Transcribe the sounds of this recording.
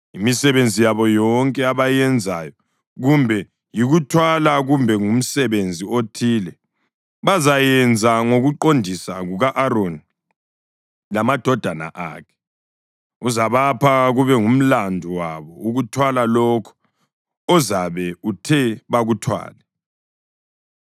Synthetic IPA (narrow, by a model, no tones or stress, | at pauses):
imisɛβend͡zʱijaβɔjɔŋkʼɛaβajɛnd͡zʱajɔ | ɣumbʱɛ | jiɣutʰwalaɣumbʱɛŋum̩sɛβend͡zʱiotʰiːlɛ | βazajɛnd͡zʱaŋoɣuǃondʱisaɣuɣaʔaɾoni | lamad̥ʱɔd̥ʱana̰ʔa̰ːkʰɛ̥ | uzaβapʰaɣuβɛŋum̩landʱuwaβɔuɣutʰwalalɔkʰɔ̥ | ɔzaβɛutʰɛβaɣutʰwa̰ːlɛ